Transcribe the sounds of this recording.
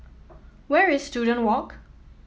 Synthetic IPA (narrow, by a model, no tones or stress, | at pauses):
wɛɹɪzstjuːdə̃ntwɔk